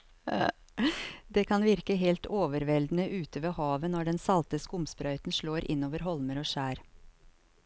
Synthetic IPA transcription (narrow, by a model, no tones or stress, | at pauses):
d̪eːkʰɑnʋɪɾkəɦɛːlt̪ʰoːʋəɾʋɛld̪n̩əʔʉːt̪əʋeːhɑːʋənɔɖɛnsɑlt̪əskʊmspɾœʏt̪n̩ʂɭoːɾʔɪ̰nːoːʋəɾɦɔlməɾoːʂæːɾ